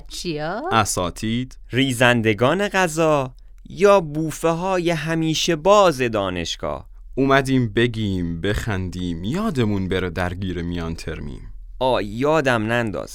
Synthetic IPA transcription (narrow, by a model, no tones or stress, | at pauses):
t͡ʃʰiɒæsɒːt̪ʰiːd̪̥riːzænd̪e̞ɡɒːne̞ɣæzɒː | jɒːbuːfeɦɒːje̞ɦæmiːʃe̞bɒːze̞d̪ɒːne̞̰ʃɡ̥ɒ̰ːh | umæd̪iːmbe̞ɡʲiːmbe̞xænd̪iːmjɒːd̪e̞munbeɾed̪æɾɡiːɾemijɒːnt̪ʰeɾmḭːn | ʔɒːjːɒːd̪æmnænd̪ɒ̰ːz̥